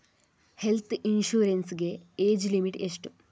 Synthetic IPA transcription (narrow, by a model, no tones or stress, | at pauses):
helt̪ʰinʃuːɾensɡeeːd͡ʑlimiʈeʂʈu